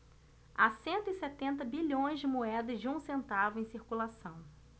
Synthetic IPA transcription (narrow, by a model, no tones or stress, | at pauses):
asẽnt̪ʊɪsɛt̪ẽnt̪ɐbiʎõj̃zd͡ʒɪmoɛd̪ɐzd͡ʒɪũsẽnt̪avʊẽj̃siɾkulasɐ̃w̃